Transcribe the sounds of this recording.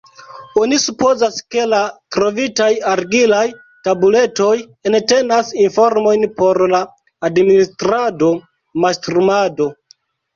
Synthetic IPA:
o̞nisupo̞zaske̞latɾo̞vitajaɾɡilaj | tabule̞to̞j | ente̞nasinfo̞ɾmo̞jnpo̞ɾlaː | dministɾado̞ | mastɾumado̞

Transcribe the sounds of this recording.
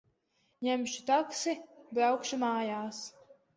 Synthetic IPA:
ɲɛmʲʃi̥t̪aksibiawkʃimaːjaːs

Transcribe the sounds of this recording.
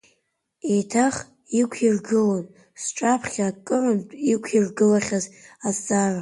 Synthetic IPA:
ejtʰaχ | ikʷʰirɡɨlon | sʈ͡ʂʼapʰχʲakʼːɨrɨmtʼikʷʰirɡɨlaχʲazazd͡zʼara

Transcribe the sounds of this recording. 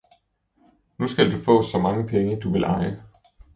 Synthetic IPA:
nusɡ̥ældufɔ̰ːsɒ̽mɑ̈ŋəpʰeŋəd̥uʋe̝lʔɑ̈ɪə

